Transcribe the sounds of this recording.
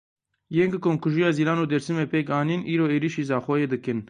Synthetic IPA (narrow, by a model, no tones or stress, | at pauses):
jeŋkɨkoːŋkuʒijɑːziːlɑːnuːd̪ɛɾsɨmepekɑːniːnʔiːɾoːeːɾiʃiːzɑːxɔjeːd̪ɨkɨn